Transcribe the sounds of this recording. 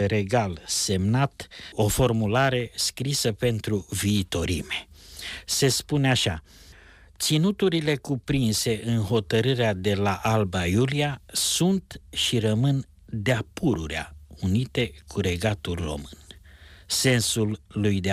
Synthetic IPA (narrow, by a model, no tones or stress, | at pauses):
ɾe̞ɡalse̞mnat̪o̞fo̞rmulaɾe̞skɾisəpe̞nt̪ɾuviːt̪o̞ɾḭme̞se̞spuneaʃa | t̪sinut̪uɾile̞kupɾinse̞ʔɨnɦo̞t̪əɾɨɾead̪e̞laʔalbajuliasunt̪ʃiɾəmɨn | d̪eapuɾuɾea̰unit̪e̞kʰuɾe̞ɡat̪ulro̞̰mɨnse̞nsulːujd̪e